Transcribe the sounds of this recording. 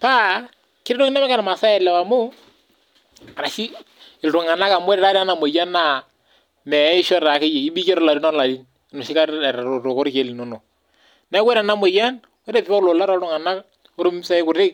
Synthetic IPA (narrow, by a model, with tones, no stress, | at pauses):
pa˦ | kɪ˦ɾɪ˦no˦kɪ˦na˦mɛ˦ka˦na˨ma˨sa˦jɛ˨lɛ˨wa˨mʊ˦ | a˨ɾa˨ʃi˦ | ɪ˨ltʊ˨ŋa˨na˦ka˨m˦e˦ɾɛ˦ɾa˦ɾa˦na˨mo˨ja˦na˨ | mɛ˨˦ɪ˦ʃɔ˦ɾɾa˨ke˦je˨i˦bi˦ke˦ɾɔ˦la˨ɾi˦nɔ˦la˨li˦n˨ | nu˨ʃɪ˦ka˦˨ɾɾo˨ko˦ɾke˨˦li˨no˦no˨ | nɛ˦we˦ɾa˨na˦mo˨ja˦n | we˦ɾɛ˦pi˨pa˦klo˨la˦ɾa˦ʊ˨ŋa˨na˦k | o˦ɾu˦m˦sa˦ɪ˦kʊ˨ɾɪ˦k̚